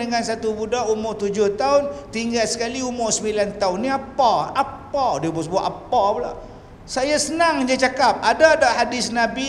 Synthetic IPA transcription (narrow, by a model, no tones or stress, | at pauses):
əŋansat̪ubudaʔumʊʔt̪ud͡ʒʊht̪aʊnt̪iŋɡalsə̥kaliumʊʔsəmilant̪aʊnːiapaapadiəbʊsbuaʔapapala | sajasənaŋd͡ʒat͡ʃakap̚adadaʔhadɪsnabi